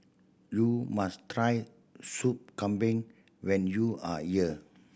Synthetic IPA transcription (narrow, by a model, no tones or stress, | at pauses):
jumastɹaj | sup̚kãmbĩŋ | wɛ̃njua̰hiə